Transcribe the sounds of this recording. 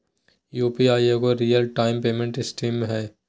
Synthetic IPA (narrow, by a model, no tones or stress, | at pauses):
juːpiaːjeɡoɾiːjəlʈaːɪmpeːmẽɳʈɪsʈiːmɦɛː